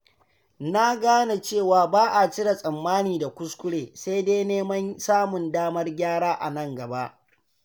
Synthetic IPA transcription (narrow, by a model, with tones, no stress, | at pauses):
na˦ɡaː˦na˨t͡ʃeː˦˨waː˨baː˦ʔa˨t͡ʃɪ˦ɽa˨sʼɐ˨mːaː˦niː˨da˨kʷʊ˦skʷʊ˦ɽeː˨sa˦jdeː˦neː˦mɐ˦nsaː˦mʊ˨ndaː˦mɐ˦rɡʲaː˦ɽaː˦ʔa̰˨nɐ˦˨ŋɡɐ˨ba˦ʔ